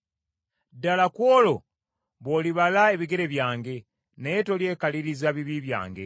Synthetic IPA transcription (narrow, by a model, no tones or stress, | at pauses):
dalakwoːlo̞ | βoliβalae̞βiɡe̞ɾe̞βjaːŋɡe̞ | neeto̞lje̞ːkaliɾizaβiβiβja̰ːŋɡe̞̰